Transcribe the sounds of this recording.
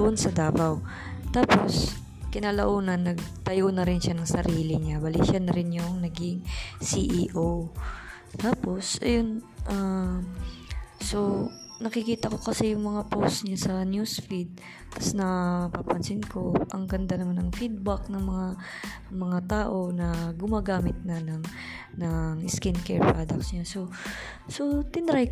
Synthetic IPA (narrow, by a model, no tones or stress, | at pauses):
ʊʔonsɐd̪aːbaw | t̪aːpo̞s | kɪnaːlɐʔoːnɐnːɐɡ̚t̪ɐjownɐɾɪnʃanɐŋsɐɾiːlɪɲabɐlḭʃanɐɾɪnjʊŋnɐɡɪŋsiʔiːʔow | t̪aːpo̞sʔɐjonʔa | so̞ | nɐkɪkiːt̪ɐko̞kɐsɛjʊŋmɐŋapowst̪ɲasɐnjusfid̪̚ | t̪ɐsnɐpaːpɐnsɪnko̞ʔɐŋɡɐnd̪anɐmanɐŋfid̪̚bɐk̚nɐŋmɐŋa | mɐŋat̪aːʔo̞nɐɡʊmaːɡaːmɪt̪̚nɐnɐŋ | nɐŋʔɪskɪnkɛɹpɹad̪ɐk̚sɲaso̞ | so̞t̪ɪnɾaj